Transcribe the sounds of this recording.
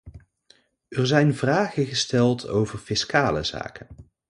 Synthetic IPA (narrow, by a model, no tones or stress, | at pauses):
ɛɹzɛjnvraːχənχəstɛlˠtʰo̰wvəɹfɪskaːlə̰z̥a̰ːkən